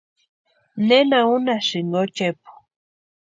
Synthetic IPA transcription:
nenaunasiŋɡot͡ʃepu̥

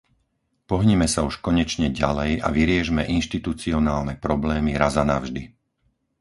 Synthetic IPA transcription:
pɔɦɲɛmɛsauʃkɔɲɛt͡ʃɲɛɟalɛja̰ʋiɾɪɛʒmɛʔinʃt̪it̪ut͡siɔnaːlnɛpɾɔblɛːmiɾazanavʒd̪i

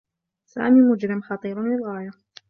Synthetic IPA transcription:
sa̰ːmiːmʊd͡ʒɾɪmxɑt̪ˤiːɾlɪlɣaːja

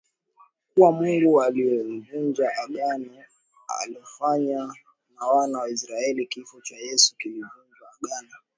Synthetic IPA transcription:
kuwamuŋɡualiɛm̩vund͡ʒaʔaɠana | a̰liɔfaɲa | nawanawais̬ɾaɛlikifɔt͡ʃajɛsu̥kilivund͡ʒwaːɠana

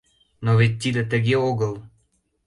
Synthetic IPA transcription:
noβet̪̚ʲːid̪ət̪əɣeoɣəlˠ

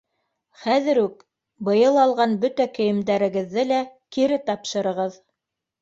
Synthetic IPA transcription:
χæðɘ̆ɾʉk | bɤ̆jɤlˠɑlˠʁɑnbɵt̪ækɵ̆jɘ̆md̪æɾɘ̆ɡɘ̆ðːɘlækiɾɘt̪ɑpʃɤ̆ɾɤ̆ʁɤð

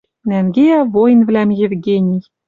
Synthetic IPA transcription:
næŋɡʲeævojnvlæmjĕvɡʲenʲij

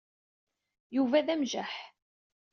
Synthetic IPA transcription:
juvæðæmʒæħ

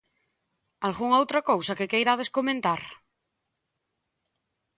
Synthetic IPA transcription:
alɣuŋowt̪ɾakowsakekejɾaðeskomẽnt̪aɾ

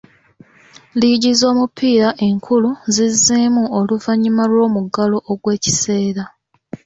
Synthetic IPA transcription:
liɟizo̞ːmupːiːɾaʔe̞ŋkʰuluzizːiːmuo̞luvaɲimalwo̞ːmuɡalo̞ʔoɡwe̞ːci̥se̞ːɾa

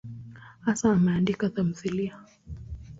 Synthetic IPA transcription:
hasaːmɛandikatam̩θilia

